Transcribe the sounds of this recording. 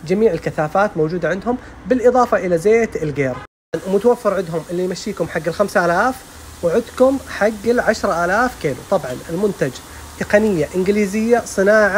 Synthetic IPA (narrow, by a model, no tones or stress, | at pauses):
d͡ʒamiːʕɪlkaθaːfaːt̪mowd͡ʒuːd̪aʕɪnd̪hʊm | bɪlʔɨðˤɑːfɑʔɪlazeːt̪ɪlɡeːɾ | mʊt̪awafːɪɾˤʕɪd̪ɦʊmʔɪlːijmaʃːiːkʊmħaɡːɪlxamsaʔaːlaːf | wɪʕʊd̪kʊmħaɡːɪlʕaʃɾˤɑʔaːlaːfkiːlut̪ˤɑbʕɑnɪlmʊnt̪ad͡ʒ | t̪ɪqɑnɪjːaʔɪnɡliːzɪjːasˤɨnaːʕa